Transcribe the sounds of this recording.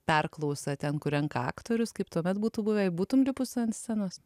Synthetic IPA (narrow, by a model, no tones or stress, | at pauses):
pʲɛrklˠɐʊsɐt̪ʲɛnkʊɾʲɛŋkɑ̰ːkt̪oːɾʲʊskɐɪpt̪uɔmʲɛt̪buːt̪uːbʊʋʲɛɪbuːt̪ʊmlʲɪpʊssʲɐnsʲsʲænoːs